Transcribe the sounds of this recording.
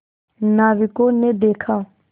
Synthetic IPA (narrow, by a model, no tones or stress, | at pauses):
naːʋɪkoːned̪eːkʰaː